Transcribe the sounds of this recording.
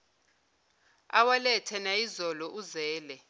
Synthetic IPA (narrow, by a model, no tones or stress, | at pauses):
a̰walɛtʰɛnaizɔlɔʔuzɛːlɛ